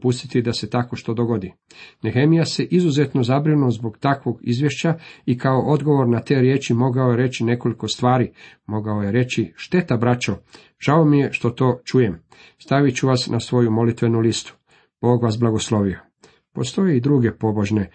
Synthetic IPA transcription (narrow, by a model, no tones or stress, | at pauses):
pust̪it̪id̪ase̞t̪ako̞ʃt̪o̞d̪o̞ɡo̞d̪i | nexe̞mijase̞ʔizuze̞t̪no̞zabɾinuzbo̞ɡt̪akʋo̞ɡḭzʋje̞ʃt͡ɕaikaoʔo̞d̪ɡo̞ʋo̞ɾnat̪e̞ːɾje̞ːt͡ʃimo̞ɡao̞je̞ɾe̞t͡ɕine̞ko̞liko̞st̪ʋaːɾimo̞ɡaoje̞ɾe̞t͡ɕiʃt̪e̞t̪abɾat͡ʃo | ʒ̥aomije̞ʃt̪o̞t̪o̞ːt͡ʃuje̞m | st̪aʋit͡ɕuʋasnʔasʋo̞jumo̞lit̪ʋe̞nulist̪u̥ | b̥o̞ːɡʋasblˠaɡo̞slˠo̞ʋio | po̞st̪o̞jeid̪ɾuːɡe̞po̞bo̞ʒne̞